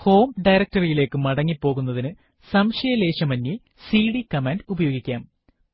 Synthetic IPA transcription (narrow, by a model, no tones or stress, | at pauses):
ho̞ːmɖɐjɾɐk̚tɐrijile̞ːkːɨmɐɽɐŋːipːo̞ːɣunːɐðinɨ | sɐmʂɐjɐle̞ːɕɐmɐnji | siːɽikɐmaːnɖubɐjo̞ːɡikʲːaːm